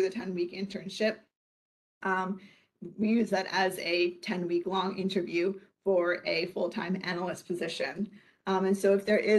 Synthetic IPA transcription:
ðɨtʰɛ̃nwikɪ̃ntʰə̃˞nʃɪp̚ | ʔ | wijʉzðɨɾɨzɨtʰɛ̃nwiklɔ̃ŋʔɪ̰̃ntə˞vjʉfə˞ɨfʊlˠtʰã̰ɪ̃mænl̩ˠəspʰɨzɪʃɨ̃n | ɨ̃nsoʊɨfðə˞ʔɪ

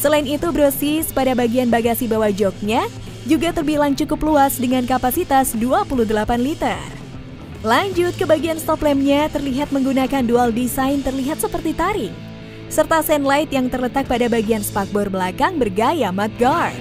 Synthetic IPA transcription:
səlainit̪ubɾosispadabaɡianbaɡasibawad͡ʒɔk̚ɲa | d͡ʒuɡat̪ərbilaŋt͡ʃukʊpluasdəŋankapasit̪asduapuludəlapanlit̪ər | laɲd͡ʒʊt̪̚kəbaɡianst̪ɔplɛmɲat̪ərliɦat̪̚məŋɡunakandualdisaɪnt̪ərliɦat̪̚səpərt̪it̪aɾi | sərt̪asɛnlaɪt̪jaŋt̪ərlət̪ak̚padabaɡianspak̚bɔrbəlakaŋbərɡajamat̪̚ɡar̚

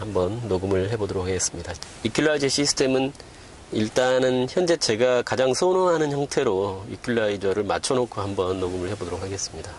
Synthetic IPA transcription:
hambʌnːoɡɯmɯɭhe̞bodoɾokʰaɡe̞s͈ɯmɲida | ikʰjuɭːaid͡ʑʌɕ͈ʰisʰɯ̥tʰe̞mɯn | iɭt͈anɯnçjʌnd͡ʑe̞t͡ɕe̞ɡakad͡ʑaŋsʰonoɦanɯnçjʌŋtʰe̞ɾoḭkʰjuɭːaid͡ʑʌɾɯɭmat͡ɕʰʌnokʰohambʌnːoɡɯmɯɭhe̞bodoɾok̚ʰaɡe̞s͈ɯmɲida

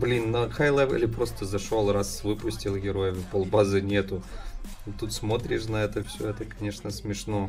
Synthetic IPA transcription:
blʲinːɐkajlˠɛvḭlʲɪpɾo̞st̪əzɐʂo̞lˠrasvɨpʊsʲtʲilˠɡʲɪɾo̞jɪvʲpolˠbazɨnʲet̪ʊ | t̪ut̪smo̞t̪ɾʲɪʂnɐɛt̪əfsʲoɛt̪əkɐnʲeʂnəsmʲɪʂno

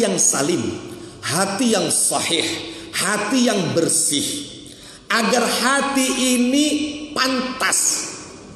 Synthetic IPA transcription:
jaŋsa̰lɪm | hat̪ijaŋsɑħɪhhat̪ijaŋbərsɪh | ʔaɡarhat̪iʔːnipant̪as

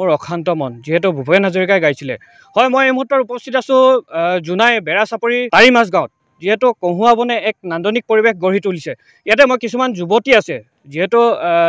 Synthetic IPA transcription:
ʊɹɔkʰantɔmɔnziɦɛt̬ʊbʱubʱɔɛnazoɹikajɡajsilɛ̰ | hɔjmojejmuɦutːɔɹupɔstʰitasʊ̃zunajbɛɹasapoɹitaɹimas̬ɡãʊ̃t̚ | ziɦɛtʊkõɦuabɔnɛːk̚nandɔnik̚poɹibexɡoɹ̤itulisɛ | ijat̬ɛmojkisumanzubotiasɛ | ziɦɛtʊ

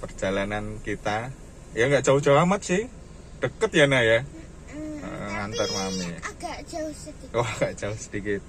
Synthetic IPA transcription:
pərd͡ʒ̥alanankit̪a | jaŋɡaʔd͡ʒaud͡ʒawamat̪̚sɪh | ɖ̥əkət̪janaja̰ | ŋant̪ərmamiaɡ̥aʔd͡ʒaʊsdoaɡ̥aʔd͡ʒ̥aʊhsə̥dikɪt̪̚

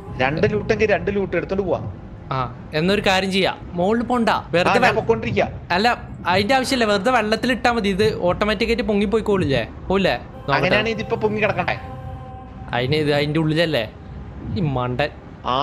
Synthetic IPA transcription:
ɾeɳɖɨluːʈːeŋɡɐɾɾeɳɖɨluːʈːɨeɽut̪ːoɳɖɨpoːwa̰ː | aː | e̞nːo̞ɾukaːɾjɐmt͡ɕejːa̰ː | moːɭːɨpːoːɳɖa̰ːʋerːɐʋpokːoːɳɖiɾikʲːa̰ːɐlːɐ | ɐðindeaːʋɐɕjɐmilːɐʋerɨt̪ːɐʋeɭːɐt̪ːiliʈːaːmʋɐðiiðɨoːʈːɐmaːtːikːɐtːɨpuŋːip̬ːoːjikoːɭilːḛ | poːjilːe | noɐkɐŋɐnaːɳeiðipːoːpuŋːikɐɽɐkːɐː | ɐ̰ðinɨiðɐðinde̞uɭːilɐlːḛ | imɐɳɖɐn | aː

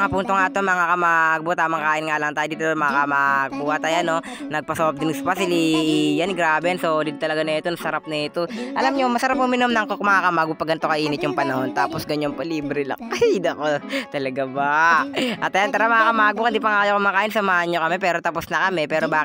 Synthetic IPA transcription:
ɐŋapuːnt̪oŋat̪omɐŋakɐmaːɡ̚bot̪aːmɐŋkaːʔɪnŋaːlɐŋt̪ajd̪iːt̪omɐŋakɐmaːɡ̚buʔɐt̪ɐjano | nɐɡ̚pɐsɐbp̚d̪ɪmɪspasɪliʔjanɡɾaːbɛnsolɪd̪̚t̪ɐlɐɡanɐɛt̪onɐsɐɾap̚nɐɛt̪oʔɐlamɲomɐsɐɾap̚hʊmɪnomnɐŋkokmɐŋakɐmaːɡʊpɐɡɐnt̪okɐʔiːnɪt̪jʊŋpɐnɐho̞nt̪aːposɡɐɲonpɐliːbɾɛlɐ̰ŋkɐid̪ɐkot̪ɐlɐɡabɐʔɐt̪ɐjant̪ɐɾamɐŋakɐmaːʔɐɡ̚bʊkɪnd̪iːp̬ɐŋakajokɐmakaːʔɪnsɐmaːʔɲokɐmɛpɛːɾot̪ɐposnɐkɐmɛpɛːɾobaːk

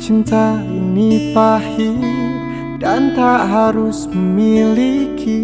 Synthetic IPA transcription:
t͡ʃint̪a | inipahi | dant̪aɦaɾusməmilikʰi

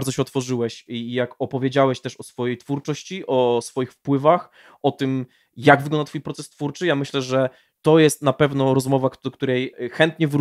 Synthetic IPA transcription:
ɾd̪zɔɕɛɔt̪fɔʐɘwɛɕijakɔpɔvʲjed͡ʑawɛɕt̪ɛʂɔsfɔjejt̪fuɾt͡ʂɔɕt͡ɕiʔɔsfɔjixfpwɘvax | ɔt̪ɘm | jaɡvɘɡlɔnd̪at̪fujpɾɔt̪sɛst̪fuɾt͡ʂɘjamɘɕlɛʐɛ | t̪ɔjɛst̪napɛvnɔɾɔzmɔvad̪ɔkt̪uɾɛjxɛnt̪ɲɛv

